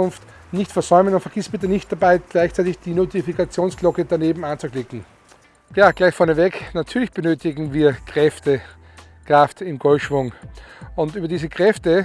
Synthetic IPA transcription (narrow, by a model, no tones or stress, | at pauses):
ʊnft | nɪçtfɛɐzɔʏmənʊntfɛɐɡ̥ɪstb̥ɪt̬ənɪçt̚d̥abaɪɡ̥laɪçt͡saɪtɪçd̥iːnotifikat͡sjoːnsklɔkəd̥aneːbm̩ant͡sʊklɪkŋ̩ | jaːɡ̥laɪçfɔɐnəvɛknatʰyːɐlɪçb̥ənøːtɪɡŋ̩viːɐkʁ̥ɛftə | kʁ̥aftɪmɡɔltʃv̥ʊŋʊntʔyːbɐdiːzəkʁ̥ɛftə